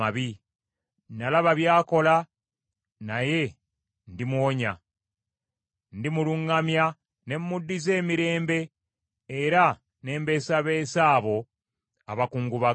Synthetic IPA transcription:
aβi | nalaβaβjaːko̞la | naje̞ | ndimwoɲa | ndimuluŋːamja | ne̞mːudːize̞ːmiɾe̞ːmbe̞ː | ɾa | ne̞ːmbe̞ːsaβe̞ːsaːβo̞ | aβakuːŋɡuβa

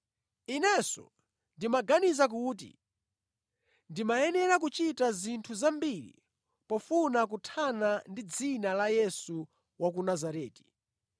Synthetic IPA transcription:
inɛsɔ̰ | ndimaɡanizak̬uːt̬ḭ | ndimajɛnɛɾak̬ut͡ʃitazintʰuzambiɾḭ | pɔfunak̬utʰanandid͡zinalajɛsu | wak̬unazaɾɛːti̥

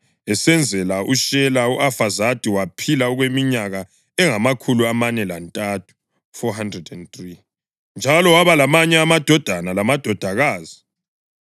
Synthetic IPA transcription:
ɛsɛnd͡zʱɛlauʃɛlauʔafazad̥ʱiwapʰilaɔɣwemiɲaɣa | ɛŋamakʰuluamanɛlantʼatʰu̥ | fɔɦandrɛdɛnθri | nd͡ʒʱalɔwaβalamaɲɛamad̥ʱɔd̥ʱanalamad̥ʱɔd̥ʱaɣaːzi

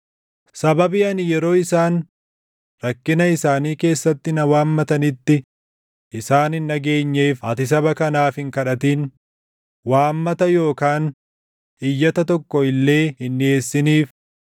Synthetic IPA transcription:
sɐbɐbɪɐnɪjɛɾo̞ːɪsaːn | ɾɐkːɪnɐɪsaːniːke̞ːsːɐt̪ːɪnɐwaːmːɐt̪ɐnɪt̪ːɪ | ʔɪsaːnɪnːɐɡe̞ːɲːeːfɐt̪ɪs̬ɐbɐkɐnaːfɪŋkɐᶑɐt̪iːn | waːmːɐt̪ɐjo̞ːkaːn | hɪjːɐt̪ɐt̪ɔkːɔɪlːe̞ːhɪnːɪeːsːɪniːf

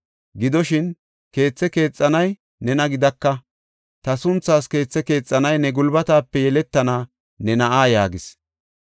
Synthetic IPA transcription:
ɡɪd̪ɔʃɪn | ke̞ːt͡sːɛke̞ːt͡sʼːɐnɐj | nɛnɐɡɪd̪ɐkːɐ | t̪ɐsʊnt͡sːaːske̞ːt͡sːɛke̞ːt͡sʼːɐnɐjnɛɡʊlbɐt̪aːpːɛjɛlɛt̪ːɐnaː | nɛnɐʔaːjaːɡɪs

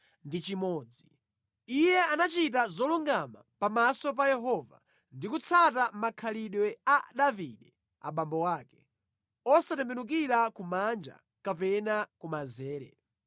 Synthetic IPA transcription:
ndit͡ʃimɔːd͡zi | ijɛanat͡ʃit̬azɔluŋɡamapamasɔp̬ajɛɦɔva̰ | ndikut͡sʰatamakʰaliɗwɛaɗaviɗɛ | a̰ɓambɔwaːkɛ̥ | ɔsatɛmbɛnuk̬iɾakumand͡ʒa̰ | kapɛnakumazɛːɾɛ̰

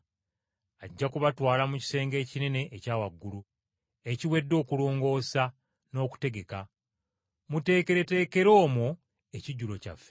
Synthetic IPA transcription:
aɟːakuβatwaːlamuci̥se̞ːŋɡe̞ːcine̞ne̞ʔːcaːwaɡːulu | e̞ciwe̞dːo̞ːkuloːŋɡo̞ːsa | no̞ːku̥te̞ɡe̞ka | mute̞ːke̞ɾe̞te̞ːke̞ɾo̞ːmu | eciɟulo̞ca̰fːe

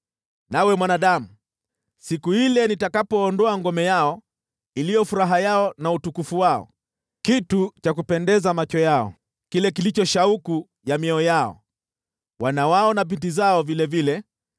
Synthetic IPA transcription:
nawɛmwanaɗamu | sikuhilɛnitakapɔːndɔaŋɡɔmɛjaɔ | ilijɔfuɾaɦajaɔnautukufuwaɔ̰ | kitut͡ʃak̬upɛndɛzamat͡ʃɔjaɔ̰ | kilɛkilit͡ʃɔʃauku | jamiɛɔjaɔ̰ | wanawaɔnap̬intizaɔvilɛvilɛ

